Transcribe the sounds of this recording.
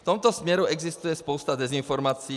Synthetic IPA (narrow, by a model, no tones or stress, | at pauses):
ft̪ɔmt̪ɔsmjɛɾuɛɡzist̪ujɛspɔʊst̪ad̪ɛzinfɔɾmaːt͡si